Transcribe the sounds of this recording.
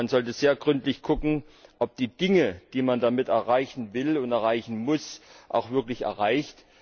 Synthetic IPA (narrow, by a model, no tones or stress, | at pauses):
nzɔltəzeːɐɡʁʏntlɪçkʰʊkŋ̩ʔɔp̚d̥iːd̥ɪŋəd̥iːmandamɪtɛɐʁaɪçn̩vɪlʊntɛɐʁaɪçn̩mʊsʔa̰ʊxv̥ɪɐklɪçɛ̰ɐʁaɪçt